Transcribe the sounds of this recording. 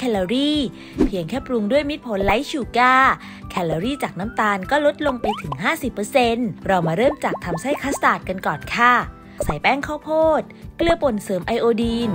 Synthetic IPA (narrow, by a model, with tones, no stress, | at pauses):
kʰɛ˧lɔ˧ɾiː˥˩ | pʰi˧əŋkʰɛː˥˩pɾu˧ŋdu˥˩əjmi˦˥t̪̚pʰo˩˦nla˦˥jt͡ɕuː˧˩kaː˥˩ | kʰɛ˧lɔː˧ɾiː˥˩t͡ɕaː˨˩k̚naː˦˥mt̪aː˧nkɔː˥˩lo˦˥t̪̚lo˧ŋpa˧jt̪ʰɯ˩˦ŋɦaː˥˩si˨˩pːɤː˧se˧nɾɔ˧wmaː˧ɾɤː˥˩mt͡ɕaː˨˩k̚t̪ʰa˧msa˥˩jkʰaː˦˥st̪aː˨˩t̪̚ka˧nkɔː˨˩nkʰa˥˩ | sa˩˦jpɛː˥˩ŋkʰaː˥˩wpʰoː˥˩t̪̚klɯ˧əpo˨˩nsɤː˩˦mʔa˧jʔoː˧diː˧n